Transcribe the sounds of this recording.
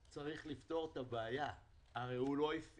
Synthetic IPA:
t͡saʁiχlift̪o̞ʁt̪abeajaː | ʁejhulo̞if

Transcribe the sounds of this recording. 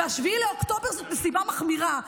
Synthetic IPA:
aʃviileokt̪o̞be̞ʁzot̪nesimamaχmiʁa

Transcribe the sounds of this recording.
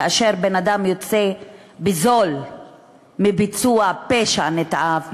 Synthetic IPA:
aʃe̞ʁbenad̪amjot͡se̞ | bizo̞l | mibit͡suapeʃanet̪ʔav

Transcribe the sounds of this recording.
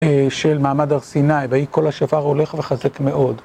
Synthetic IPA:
eʃelmaːmadaʁsinajvajiko̞lhaʃafaʁo̞le̞χveχazekme̞ʔo̞d

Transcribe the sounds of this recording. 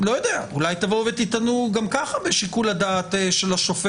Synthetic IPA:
lo̞jo̞d̪eaulajt̪avovet̪it̪anuɡamkaχabeʃikulad̪aːt̪eʃelaʃofe

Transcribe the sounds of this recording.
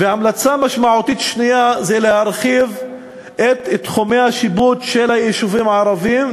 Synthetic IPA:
veamlat͡samaʃmaʕut̪it̪ʃnijazelehaɾʁχiv | ʔet̪t̪χomehaʃibut̪ʃelhajeʃuvimʕaɾavim

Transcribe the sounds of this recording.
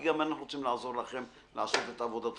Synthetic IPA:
ɡamanaχnuʁot͡simlaazo̞ʁlaχe̞m | laaso̞t̪et̪avod̪at̪

